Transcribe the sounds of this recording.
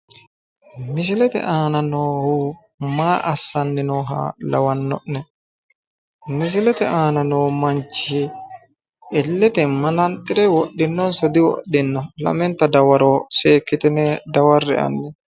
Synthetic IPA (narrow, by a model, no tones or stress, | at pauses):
mɪs̬ɪlɛt̪ɛ̰ʔaːnanoːhu | maːʔasːanːinɔɦa̰lawanːɔ̰ʔnɛ | mis̬ɪlɛt̪ɛʔaːnanoːmaɲt͡ʃːihi | ʔɛlːɛt̪ɛmanant̪ʼɪɾɛwɔɗːinːɔnsɔd̪iwɔ̰ɗːinːɔla̰mɛnt̪ad̪awaɾoːseːkːit̪ɛnɛd̪awarːɛ̰a̰nːɛ